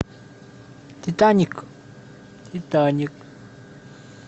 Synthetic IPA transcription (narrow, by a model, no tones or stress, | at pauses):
t̪it̪aɲək | t̪it̪aɲək̚